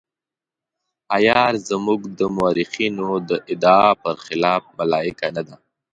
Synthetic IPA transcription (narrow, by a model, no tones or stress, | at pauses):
ajɑːɾzamuɡd̪əmʊaɾɪxinod̪əʔɪd̪ɑpəɾxɪlɑfmalɑɪkanad̪a